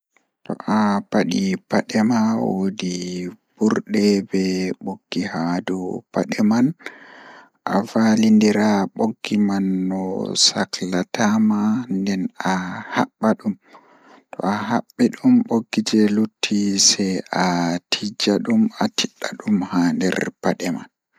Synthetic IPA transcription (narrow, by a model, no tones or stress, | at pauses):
tɔ̰ʔapaɗipaɗɛmawo̰dib̥uɾɗɛbɛɓoɡ̥ːihadupaɗɛman | ʔavalindiɾaɓoɡːimanːɔsa̰klatamandɛnahaɓːaɗum | tɔ̰aɦaɓːɛɗumɓoɡːid͡ʒɛlutʰːisɛjʔatʰid͡ʒːaɗumatiɗːaɗumhandɛ̰rpaɗɛma̰n